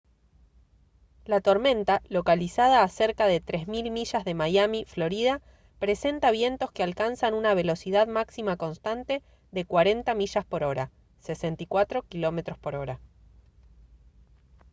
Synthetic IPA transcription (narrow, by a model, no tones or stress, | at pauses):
lat̪o̞ɾmẽ̞nt̪alo̞kalisað̞aːse̞ɾkaðe̞t̪ɾe̞zmilmiʃazðe̞majamiflo̞ɾiða | pɾe̞se̞nt̪aβ̞je̞nt̪o̞skealkansanunaβ̞e̞lo̞siðaðmaksimako̞nst̪ant̪e̞ | ðe̞kwaɾe̞nt̪amiʃaspo̞ɾo̞ɾa | sesent̪ikwat̪ɾo̞kilo̞met̪ɾo̞spo̞ɾo̞ɾa